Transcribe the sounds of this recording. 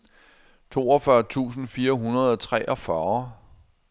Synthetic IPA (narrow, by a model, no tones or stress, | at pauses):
t͡sʰo̝̰ːɒfɶɐ̰t͡sʰṵːsn̩fiːɐɦunɐð̞ˠɒt͡sʰʁɛʔɒ̽fɶɐ